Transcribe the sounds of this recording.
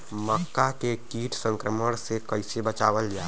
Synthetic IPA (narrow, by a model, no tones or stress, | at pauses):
məkːakekiːʈsə̃ŋkɾəməɽ̃sekəɪsebət͡ʃaːʋəld͡ʒaː